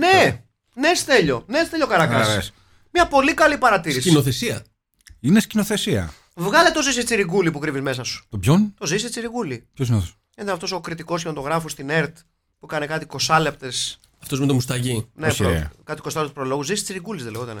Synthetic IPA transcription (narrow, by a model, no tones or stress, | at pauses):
ne | nest̪e̞ʎo̞nest̪e̞ʎokɐɾɐkɐs | mɲɐpo̞likɐlipɐɾɐt̪iisinoθesiɐ | inescino̞θe̞siɐ̰ | vɣɐlet̪o̞zisist͡siɾiɡulipukɾivizmesɐsu̥t̪obçont̪o̞zisit͡siɾiɣulipçosinoo | init̪ɐnɐft̪o̞sokɾit̪iko̞sçimɐt̪o̞ɣɾɐfost̪ineɾt̪ | pukɐne̞kɐt̪iko̞sɐle̞pt̪es | ɐft̪o̞zmet̪omust̪ɐʝineokɐt̪iko̞sɐlpt̪spɾo̞lo̞ɣuzisit͡siɾiɡulizðeleɣot̪ɐne